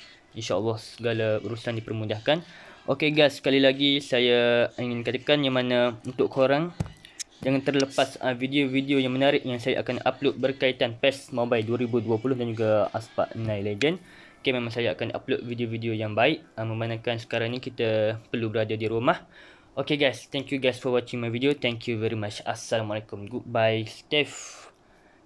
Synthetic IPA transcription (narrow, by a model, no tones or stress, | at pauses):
inʃaəlːɔhsəɡalaṵɾusandipərmudahkanʔokeɡajsːkalilaɡisajaiŋɪnkat̪əkanjaŋmãnaunt̪ʊʔkʰoɾaŋ | d͡ʒaŋant̪ərləpasəvideovideojaŋmənaɾɪʔjaŋsaja̰ʔa̰kana̰ploʔ̪̚bərkait̪anpɛsmobajduaɾibuduapulʊhdand͡ʒuɡaaspa̰ʔnãjled͡ʒən | o̥kemẽmãŋsajaakanʔa̰plot̪̚vidiovidiojaŋbaɪʔəmə̃mbanãkansə̥kaɾaŋnĩkit̪əpərlubəɾadadiɾumah | ʔokeɡajst̪ɛ̃ŋkjuɡajsfɔwɔt͡ʃɪ̃ŋmajvidiot̪ɛ̃ŋkʰjuvɛɾimat͡ʃasalamalekʊmɡubajst̪ɛf